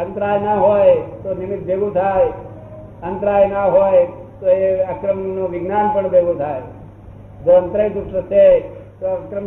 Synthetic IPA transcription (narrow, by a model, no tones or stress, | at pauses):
ənt̪ɾaːjnaɦojt̪onɪmɪt̪̚beɡũt̪ʰaj | ənt̪ɾajnaɦoːj | t̪oeakɾəmnoʋɪɡnanpəɳbeɡũt̪ʰaj | d͡ʒoənt̪ɾəjd̪ʊsʈət͡ʃʰet̪oakɾəm